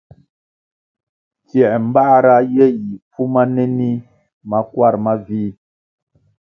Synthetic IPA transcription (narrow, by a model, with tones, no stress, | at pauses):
t͡sjɛ˨ʔm̩˦ba˦ɾa˦jɛ˦ji˨pu˦ma˦nɛ˦ni˦ | ma˦kwa˦˨ɾma˦viː˦